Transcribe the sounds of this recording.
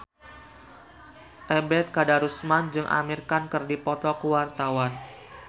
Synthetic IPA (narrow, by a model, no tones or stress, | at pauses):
ʔɛbɛt̪̚kadaɾusmand͡ʒɨŋʔa̰mirkankɨrdipɔt̪ɔkuwart̪awan